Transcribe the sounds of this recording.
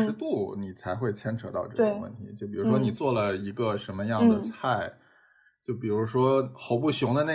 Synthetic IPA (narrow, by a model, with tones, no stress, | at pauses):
ɻ̩˧˥t̪u˥˩ni˨˩t͡sʰa˧˥ɪxwe˥˩ɪt͡ɕʰjɛ˥nʈ͡ʂʰɤ˧˥t̪ɑ̰˥˧ʊʈ͡ʂɤ˥˧˩ɡə˧˦wə̰˥˩nt̪ʰi˧˥t͡ɕjo˥˩ʊp̬i˨˩ɻu˧˥ʂwɔ˥ni˨˩t͡swɔ˥˩lə˩i˧˥ɡə˧ʂə˧˥nmə˧jɑ˥˩d̪ə˩t͡sʰa˥˩ɪ | t͡ɕjo˥˩ʊp̬i˨˩ɻu˧˥ʂwɔ˥xo˧˥ʊpu˥˩ɕjʊ˧˥ŋd̪ə˧ne˥˩